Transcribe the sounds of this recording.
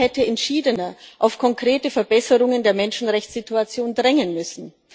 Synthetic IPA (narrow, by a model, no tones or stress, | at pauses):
ɛtəɛntʃiːdənɐʔaʊfkʰɔŋkʁ̥eːtəfɛɐbɛsəʁʊŋəndeːɐmɛnʃn̩ʁɛçt͡sz̥ituat͡sjoːndʁɛŋənmʏsn̩